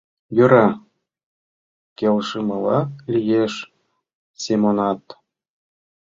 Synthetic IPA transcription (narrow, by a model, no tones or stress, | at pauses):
juɾɑ | kʲelʲʂɯmɤ̆lˠɑlʲijeʂ | sʲemonɑt̪